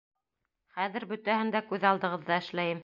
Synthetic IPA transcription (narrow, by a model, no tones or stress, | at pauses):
χæðɘ̆ɾbɵ̆t̪æhɘnd̪ækʉðɑlˠd̪ɤ̆ʁɤ̆ðːɑɘ̆ʃlæjɘm